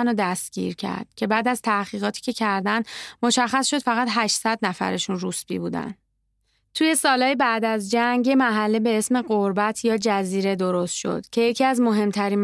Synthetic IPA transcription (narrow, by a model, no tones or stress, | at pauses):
nod̪æst̪ɡ̥ḭːɾcʰæ̰ɾd̪̥cʰe̞bæːd̪æz̥t̪ʰæhɣiːɣɒːt̪ʰi̥ːkcʰe̞cʰæɾd̪ænd̪mo̞ʃæχːæsʃo̞d̪fæɣæt̪ɦæʃsæd̪næfæ̰ɾe̞ʃunrusbḭːbuːd̪æ̰n | t̪ʰuje̞sɒːlɒːjebæʔd̪æzd͡ʒæŋɡjemæɦælːebe̞esme̞ɢoɾbæt̪ʰjɒːd͡ʒæziːɾe̞d̪o̞ɾo̞st̪ʃo̞̰d̪̥cʰe̞je̞cʰiːæzmo̞ɦe̞mt̪ʰæɾiːn